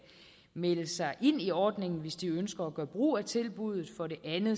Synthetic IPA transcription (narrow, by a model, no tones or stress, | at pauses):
meləsɑ̈ɪʔe̝n̰iɒːd̥ne̝ŋn̩ʋe̝sd̥iønsɡ̥ɐːɡ̥ɶːɐb̥ʁṵːæt͡sʰe̝lb̥uð̞ˠð̩ˠfɒ̽ɾe̝ʔænð̩ˠ